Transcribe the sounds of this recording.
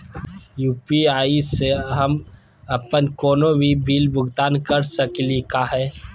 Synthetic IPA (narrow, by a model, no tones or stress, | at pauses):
juːpiaːiseɦɐm | ɐpənkɔːnõbʱibʱiːlbʱʊɡt̪aːnkɐɾsəklikaɦɛː